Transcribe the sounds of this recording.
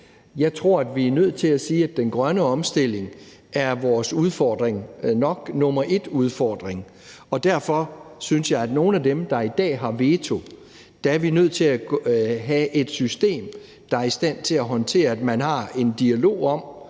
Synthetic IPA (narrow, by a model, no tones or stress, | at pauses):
jɑ̈ɪt͡sʰʁo̝ɐ̰æd̥ʋiæɐnøð̞̰ˠt͡sʰe̝læsiːæd̥ːenɡ̥ʁɶnəɒ̽msd̥e̝l̰e̝ŋ | æɐʋɒːsuð̞ˠfɒːd̥ʁeŋnɒ̽ɡ̥nɔ̽mɐʔe̝d̥uð̞ˠfɒːd̥ʁeŋ | ɒ̽d̥æɐ̰fɒ̽synsjɑ̈ɪæd̥no̝ːn̩æd̥emd̥ɑ̈id̥ɛ̰ːɦɑ̈ʋe̝t͡sʰo̝ | d̥ææɐʋinøð̞̰ˠt͡sʰe̝læɦæʔe̝d̥sysd̥e̝̰ːm | d̥ɑ̈æɐisd̥æn̰t͡sʰe̝læɦɒ̽nt͡sʰe̝̰ːɐæd̥mænɦɑ̈e̝nd̥iælo̝̰ːɒ̽m̰